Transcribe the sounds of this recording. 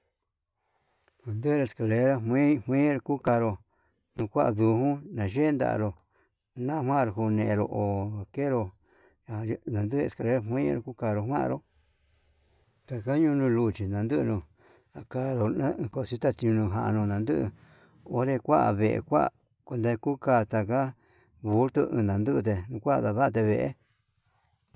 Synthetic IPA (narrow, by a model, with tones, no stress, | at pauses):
ha˨nd̪ɨ˦˧ɾo˧e˧ska˧le˧ɾa˦ɦĩ˦hʷĩ˦ɾo˧ku˦ka˧ɾo˧ | nũ˧kʷa˦ʔa˧ðu˧hũ˦nã˨ʒe˦nd̪a̰˨a̰˧˨ɾo˧ | nã˦˧hwã˦˧ɾo˧hu˧nẽ˧ẽ˧ɾo˧ʔo˨a˨ke˦ɾo˧˨˧ | nã˨nd̪ɨ˦˧ḛ˧˨ka˧le˧˦ɾa˦˧ɦwĩ˦ɾo˧ku˦ka˧ɾo˧hʷwã̰˦˧ɾo˧˦ | t̪a˨ka˦ɲũ˧nũ˧lu˧t͡ʃi˨nã˨nd̪ɨ˦ʔnũ˧ | a˨ka˧ɾo˧nã˦˧ko˧˨si˧˦t̪a˦˧t̪i˧ɲũ˧nũ˧ɦã˧ʔnũ˧nã˨˧nd̪ɨ˦ʔɨ̰˧ | o˦ɾe˧kʷa˦ʔa̰˧βe˧˨ḛ˧kʷa̰˦ʔa̰˨ | kʷe˧nd̪a˧ku˦kaː˧˨t̪a˧ka˦ | βu˧˦ɾt̪u˧ɨ̰̃˧d̪ã˨nd̪ɨ˦˧t̪̬e˧nũ˧kʷa˦ʔða˧βa˦˧t̪̬e˧βe˧˨ʔḛ˦